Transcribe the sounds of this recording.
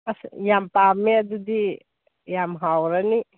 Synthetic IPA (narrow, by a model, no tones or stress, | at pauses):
ɐsjampameɐd̪ud̪i | jamɦawɾɐni